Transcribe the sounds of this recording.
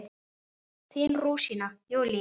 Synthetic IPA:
θiːnruːsinajowli

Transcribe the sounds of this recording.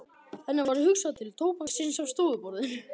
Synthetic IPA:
θɛnːavaɾʏhʏksaðt̪ʰɪlt̪ʰoːwpasinsavst̪uːðʏpɔɾðɪn

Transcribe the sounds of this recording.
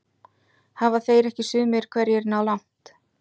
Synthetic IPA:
havaθeːjɾɛhcɪsʏːmɪɾ̥kʰvɛɾjɛɾnaːwlawŋ̥t̪

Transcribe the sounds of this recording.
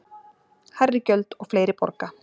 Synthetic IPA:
harːɪcœlt̪ɔɣfleːjɾɪpɔ̰ɾka

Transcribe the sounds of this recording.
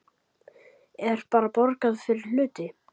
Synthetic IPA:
ɛɾ̥paːɾapɔɾkaðfɪɾɪɾl̥ʏːt̪ɪ

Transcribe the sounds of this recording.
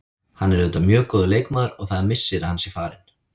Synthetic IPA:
hanːɛɾʏnt̪amjœːkɔːðʏlejkmaːðaɾɔɣθaðamɪsːɪɾɪhansifaːɾɪn

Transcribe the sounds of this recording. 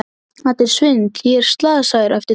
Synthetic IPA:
at̪ɪɾ̥svɪŋkjɛɾ̥st̪laːðsajðɪɾʔɛft̪ɪ

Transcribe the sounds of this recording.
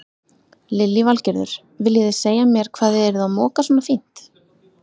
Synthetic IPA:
lɪlːivalcɛɾðʏ̰ɾ̥ | vɪljɪðɪseːjamjɛɾ̥kʰvaːðɪɛɾʏðaðmɔːkasɔːnafin̥t̪

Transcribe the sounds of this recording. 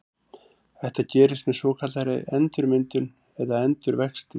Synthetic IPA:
θɛht̪acɛːɾɪst̪mɛðsɔːkʰat̪laɾɪ̰ɛnt̪ʏɾmɪnt̪ʏn | ɛðaɛnt̪ʏɾvɛkst̪ɪ

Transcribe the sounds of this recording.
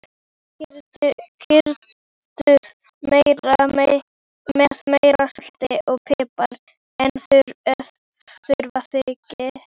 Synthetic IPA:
ɾcʰʏɾ | t̪ʏð | mejɾa | mɛθmejɾasl̥t̪ɪʔɔɣpʰɪːpaɾ | ɛnθʏɾ | θʏɾvaθɪcɪ

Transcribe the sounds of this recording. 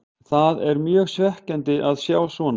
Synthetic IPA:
θaðɛɾmjœːɣsvɛhcɛnt̪ɪʔaðsjaːwsvɔːn

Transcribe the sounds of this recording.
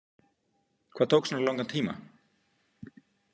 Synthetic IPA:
kʰvaːðt̪owksnalɔwŋkan̥t̪ʰiːma̰

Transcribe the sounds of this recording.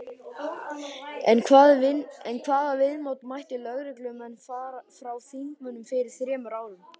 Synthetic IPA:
ɛnkʰvaðɛnkʰvaːðavɪðmowt̪majht̪ɪlœɣɾɪklʏmɛnːfaːɾfɾawθiŋkmʏnʏmfɪɾɪɾ̥θɾɛːmʏɾaːwðʏm

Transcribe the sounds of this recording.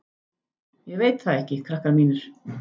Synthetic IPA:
jɛɣveːjt̪θaðɛhcɪkʰɾahkaɾmiːnʏɾ̥

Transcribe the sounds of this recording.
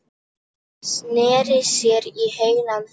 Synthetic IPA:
snɛːɾɪsjɛɾihejnan

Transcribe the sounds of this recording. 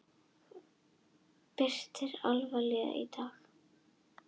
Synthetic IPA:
pɪr̥t̪ɪɾa̰lvalɛɣa̰ʔḭt̪ʰaːx

